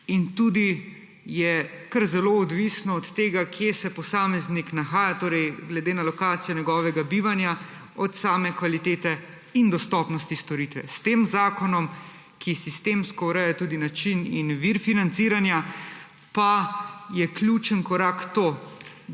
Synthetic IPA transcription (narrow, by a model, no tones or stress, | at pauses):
int̪uːd̪i | jɛkəɾzɛloɔd̪ʋisnɔːt̪ːeːɡakʰjesɛpɔsaːmɛzniknaxaːjat̪oːɾɛjɡlɛd̪eːnalɔkaːt̪sijɔɲɛɡɔːʋɛɡabiːʋanja | ɔt̪saːmɛkʋalit̪eːt̪ɛ | ind̪ɔst̪ɔːpnɔst̪ist̪ɔɾit̪ʋɛ̰st̪eːmzaːkɔnɔm | kʰisist̪eːmskɔuɾɛjɛt̪uːd̪inat͡ʃinḭnʋiɾfinant̪siːɾanja | pajɛklʲjut͡ʃənkɔɾaːkt̪oː